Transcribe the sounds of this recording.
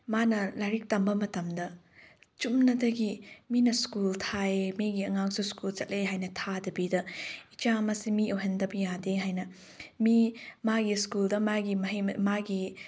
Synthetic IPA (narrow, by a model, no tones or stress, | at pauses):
manɐlajɾik̚tɐmbɐmɐtɐmdɐ | t͡ʃumnɐdɐɡiminɐskultʰaemiɡiɐŋak̚suskult͡ʃɐt̚leɦajnɐtʰadɐbidɐit͡ʃamɐsimiowɦendɐbijadeɦajnɐ | mimaɡiskuldɐmaɡimɐɦimaɡi